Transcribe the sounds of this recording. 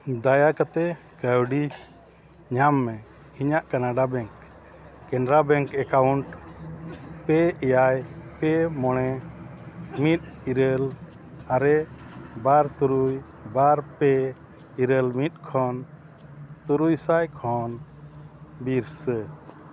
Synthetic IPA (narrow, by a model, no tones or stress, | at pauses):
d̪ajakat̪ɛ | kəwɖi | ɲamːɛ̃ | iɲaʔkanaɖabɛŋkː | ɛɳɖɾabɛŋkɛkawuɳʈ | pɛɛjajpɛmɔɽ̃ɛ | mit̪̚iɾəl | aɾɛbaɾt̪uɾuj | baɾpɛ | iɾəlmit̪̚ˀkʰɔn | t̪uɾujsajkʰɔn | biɾsə